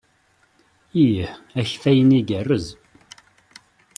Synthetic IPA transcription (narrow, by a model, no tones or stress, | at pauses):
ijæçfæjəniɡərːəz